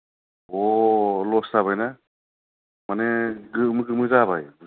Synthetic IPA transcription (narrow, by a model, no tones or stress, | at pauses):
ɔlɔsaβajna | maneɡɯmɯɡɯmɯzaβaj